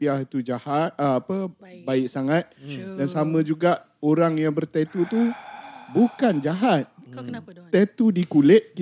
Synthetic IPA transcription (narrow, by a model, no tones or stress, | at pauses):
piahit̪ud͡ʒahat̪̚əapəbaɪʔsaŋãt̪̚dansamə̃d͡ʒuɡaʔ | oɾaŋjaŋbərt̪et̪ut̪ubukand͡ʒaɦat̪̚ | t̪et̪udikulɪt̪̚